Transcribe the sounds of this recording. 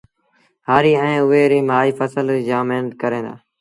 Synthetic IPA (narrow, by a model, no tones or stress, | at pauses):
ɦaːɾiːɛ̃ːʊʋeːɾeːmaːiːfəsəld͡ʒãːmeɦnət̪kəɾẽːd̪a̰ː